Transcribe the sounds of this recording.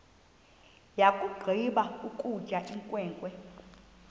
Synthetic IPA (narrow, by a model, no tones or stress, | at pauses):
jakʼuɡ͡ǃʱiɓaukʼud̥ʒ̥ʱaʔiŋkʼwɛːŋkʼwɛ